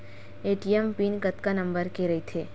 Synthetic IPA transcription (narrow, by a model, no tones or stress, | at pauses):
eːʈijempiːnkɐt̪kanɐ̃mbəɾkeɾɐɦit̪ʰeː